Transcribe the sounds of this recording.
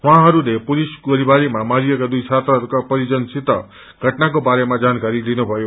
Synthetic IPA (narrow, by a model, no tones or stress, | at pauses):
ɦw̃ãɦʌɾulepulisɡoɾibaɾimamaɾijʌkad̪ujt͡sʰat̪ɾʌɾukapʌɾid͡zʌnsit̪ʌ̰ | ɡʱʌʈnak̬obaɾemãd͡zankaɾilinubʱʌjo